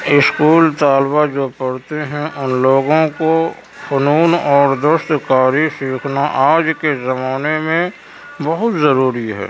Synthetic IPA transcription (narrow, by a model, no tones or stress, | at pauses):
ɪskuːlt̪aːlbad͡ʒoːpɐɽt̪eɦɛ̃ʔʊnloːɡõko | xənuːnɔːɾd̪ʊʃt̪kaːɾisiːkʰnaʔaːd͡ʒkezəmaːnemẽ | bəɦʊt̪zəɾuːɾiɦɛ̰ː